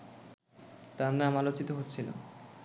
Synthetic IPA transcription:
t̪annamalot͡ɕit̪oɦot̪ːɕʰila̰

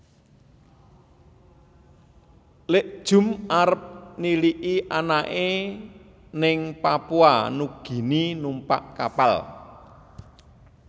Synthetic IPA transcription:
leʔd̥ʒ̥ʊ̤mʔaɾəp̚niliʔiʔanaʔe | nɪŋpapuanuɡ̥i̤ninumpa̰ʔkapal

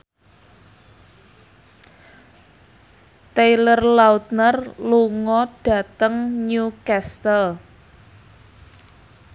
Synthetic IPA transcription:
t̪ejlərlaut̪̚nərluŋɔɖ̥ä̤t̪əŋɲukɛst̪əl

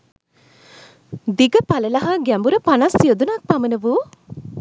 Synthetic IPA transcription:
d̪iɡɐpɐlɐlɐɦɐɡɛmbuɾɐpɐnasːiod̪unaːk̚pɐmɐnɐʋuː

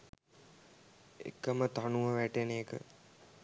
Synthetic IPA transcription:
ḛkːəmət̪anuʋəʋæʈeneːkə̰

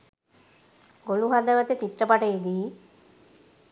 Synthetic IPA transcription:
ɡoluɦad̪əʋət̪et̪iʈːəpaʈəed̪iː

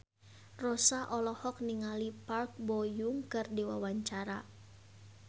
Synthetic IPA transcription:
rɔsaʔɔlɔhɔk̚niŋalipark̚bɔjuŋkɨrdiwa̰waɲt͡ʃaɾa̰

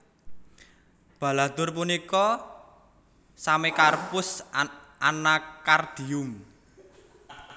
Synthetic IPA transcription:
b̥a̤lat̪ʊrpunikɔ | samekarpʊs | anakard̪̥i̤ʊm

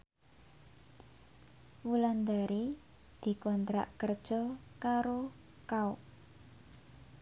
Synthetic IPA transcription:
wuland̪aɾi | d̪̥i̤kɔnt̪ɾa̰ʔkərd̥ʒ̥ɔkaɾo | kauʔ

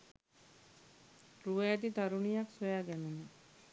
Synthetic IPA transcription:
ɾuajat̪id̪aɾunijaksɔjaɡɛnunɛ

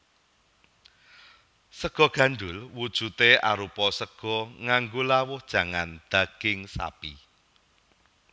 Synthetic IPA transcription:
səɡ̥ɔ̤ɡ̥a̤nɖʊlwud̥ʒ̥ṳt̪eaɾupɔsəɡ̥ɔ̤ŋaŋɡolawʊhd̥ʒ̥ä̤ŋand̪̥ä̤ɡ̥ɪŋsa̰pḭ

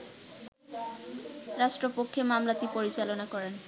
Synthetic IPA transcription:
ɾaʃʈɾopokʰːemamlat̪ipoɾit͡ɕalonakɔɾen

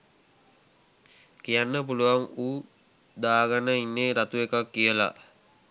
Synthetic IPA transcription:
kijanːəp̬uluʋaŋuː | d̪aːɡanəinːeːɾat̪uekakːijəla̰

